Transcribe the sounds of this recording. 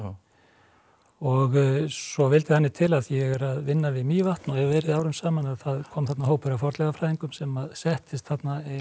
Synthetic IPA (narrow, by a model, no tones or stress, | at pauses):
ɔɣsɔvɪlt̪ɪθhanːɪt̪ʰɪlaðjɛɣɛɾaðvɪnːavɪðmiːjvaht̪nahɛvvɛːɾɪðaːwɾʏmsaːmanaðθaðkʰɔːmθat̪naɦoːwpʏɾawfɔɾt̪lɛɣafɾajðiŋkʏmsɛmaðsɛht̪ɪst̪θat̪na